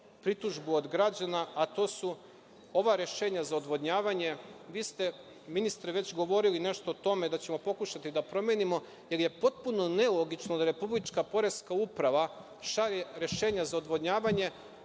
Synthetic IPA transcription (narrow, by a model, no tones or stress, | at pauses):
pɾit̪uʒbuod̪ɡɾad͡ʑanaat̪o̞ːsu | o̞ʋaɾje̞ʃe̞ːɲazaod̪ʋo̞d̪ɲaːʋaɲe̞ʋiːst̪e̞ | minist̪ɾiʋe̞t͡ɕɡo̞ʋo̞ɾiline̞ʃt̪o̞ːt̪o̞me̞d̪at͡ɕe̞mo̞po̞kuʃat̪id̪apɾo̞mje̞nimo̞ | je̞ɾje̞po̞t̪̚puno̞ne̞lo̞ɡit͡ʃnod̪aɾe̞publit͡ʃkapo̞ɾeskaupɾaʋa | ʃaɾeɾe̞ʃe̞ːɲazaod̪ʋo̞d̪ɲaːʋaɲe̞